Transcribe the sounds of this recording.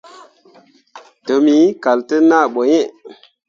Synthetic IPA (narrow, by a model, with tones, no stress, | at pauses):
to˨mi˨˦ka˨ltə˦na˦˨ɓo˨je˦